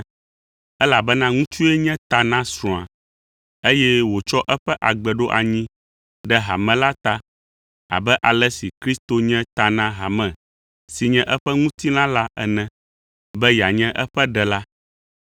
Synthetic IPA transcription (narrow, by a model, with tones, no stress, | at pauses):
ɛ˦la˨bɛ˦nã˦ŋũ˦t͡ʃu˦ɛ˦ɲɛ̃˦t̪a˨nã˦sɾɔ̃˨a̰˨ | e˦jɛ˦wo˨t͡ʃɔ˦ʔɛ˦ɸɛ˦ʔa˨ɡ͡bɛ˨ɖo˦ʔa˨ɲĩ˦ | ɖɛ˦ɦa̰˨mɛ̃˨la˦t̪a˦ | a̰˨bɛ˦ʔa˨lɛ˦si˨kɾi˦st̪o˦ɲɛ̃˦t̪a˨nã˦ɦa˨mɛ̃˨ | si˨ɲɛ̃˦ʔɛ˦ɸɛ˦ŋũ˦t̪i˦lã˦la˦ɛ̰˨nɛ̃˨ | bɛ˦ja˨ɲɛ̃˦ʔɛ˦ɸɛ˦ɖɛ˨la˦